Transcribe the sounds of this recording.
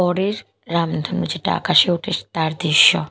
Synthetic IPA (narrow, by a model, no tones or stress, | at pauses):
ɔɾeɾː | amd̪ʱonod͡ʑeʈaa̰kaʃeoʈʰeʃt̪aɾd̪ɾiʃːɔ